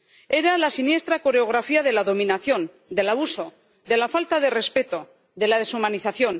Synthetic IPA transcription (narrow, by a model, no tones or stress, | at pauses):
e̞ɾalasinje̞st̪ɾako̞ɾe̞o̞ɣ̞ɾafiaðe̞laðo̞mĩnaθjo̞n | d̪e̞laβuso̞ | d̪e̞lafalt̪aðe̞re̞spe̞t̪o̞ | d̪e̞laðesumaniθaθjo̞n